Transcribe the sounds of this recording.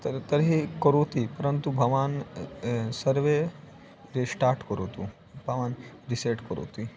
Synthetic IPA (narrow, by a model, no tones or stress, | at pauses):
t̪t̪ɐɾɦikɔɾoːt̪ipɐɾənt̪ubʱɐʋaːn | sɐɾʋe | ɾesʈaːɾʈkɔɾoːt̪u | bʱɐʋaːn | ɾiseːʈkɔɾo̰ːt̪i